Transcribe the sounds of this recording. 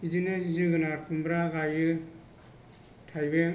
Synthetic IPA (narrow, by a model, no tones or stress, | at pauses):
izinɯizɯɡɯnaɾkʰumbɾaɡajɯ | tʰajbe